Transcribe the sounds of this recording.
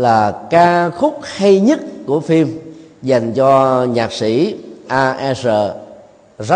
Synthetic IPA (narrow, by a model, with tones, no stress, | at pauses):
laː˨˩kaː˧xʊ˦˥k͡p̚ha˧jɲə˦˥t̚ku˧˩əfi˧mza˨˩jŋ̟t͡ɕɔ˧ɲaː˨˩k̚si˧˩˥ʔaː˧ʔɛ˧zəː˨˩ | za˦˥